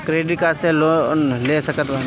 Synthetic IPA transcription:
kɾeːɖikaselonleːsəkət̪ʋan

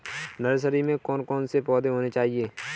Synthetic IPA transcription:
nəɾs̬əɾimẽkɔːnkɔːnsepɔːd̪eɦoːnet͡ʃaːɦieː

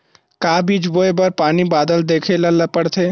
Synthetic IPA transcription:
kaːbiːd͡ʒboːebɐɾpaːnibaːd̪əld̪eːkʰelɐlɐpəɽt̪ʰeː

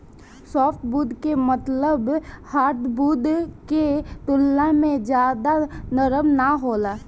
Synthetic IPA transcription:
sɔːfʈ̪buːd̪kemət̪ləbhaːɾd̪buːd̪ket̪ʊlːamẽd͡ʒjaːd̪anəɾəmnaɦoːlaː

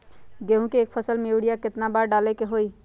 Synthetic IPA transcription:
ɡeɦũkeeːk̚pʰəsəlmeuɽijakɪt̪nabaɾɖalɛkeɦoi

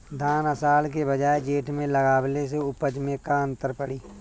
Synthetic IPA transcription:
d̪ʱaːnəsaːlkebəd͡ʒaːed͡ʒeːʈmẽlɐɡaːwles̬eʊpəd͡ʒmẽkaə̃nt̪əɾpəɽiː

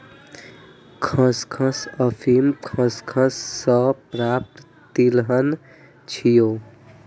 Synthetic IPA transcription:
kʰə̃skʰə̃səpʰimkʰə̃skʰə̃sːəpɾap̚t̪ | t̪ilɦən | t͡ʃʰijo

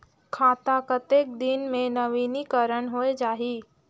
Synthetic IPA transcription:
kʰaːt̪akət̪eːk̚d̪inmẽnɐʋiːnikəɾəɳɦoed͡ʒaːɦiː

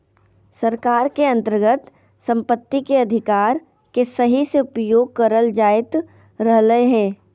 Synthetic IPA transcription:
səɾkaːɾkeɐ̃nt̪əɾɡət̪ | sə̃mpət̪ːikeɐd̪ʱɪkaːɾ | kesɐɦiseʊpjoːɡ̚kɐɾəld͡ʒaːɪt̪ | ɾəɦləeɦɛː

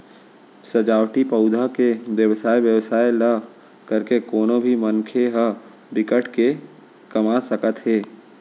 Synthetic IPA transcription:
səd͡ʒaːwʈipəʊd̪ʱakeʋjəwsaːjʋjəwsaːjla | kəɾkekoːnõbʱimənkʰeɦə | bɪkəʈʰke | kɐmasəkət̪ɦeː

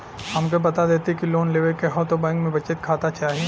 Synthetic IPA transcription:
hɐmkobɐt̪ad̪eːt̪ekiloːnleːʋekeɦɔːt̪obɛ̃ːŋkmẽbɐt͡ʃet̪kʰaːt̪at͡ʃaːɦie

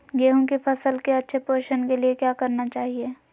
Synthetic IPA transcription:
ɡeːɦõkifɐsəlkeɐtːʃʰepoːʃənkeliekjaːkɐɾnat͡ʃaːɦieː

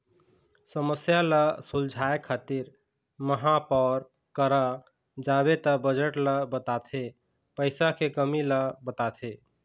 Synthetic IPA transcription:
səməsjaləsuld͡ʒʱaekʰːat̪iɾ | məɦãpɔɾ | kəɾə | d͡ʒabet̪əbəd͡ʒəʈləbət̪at̪ʰe | pəɪsakekəmiləbət̪at̪ʰe

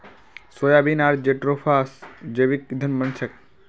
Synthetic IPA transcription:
sojabinaɾd͡ʒeʈɾopʰasd͡ʒəʋikːid̪ʱənmənsʰək̚

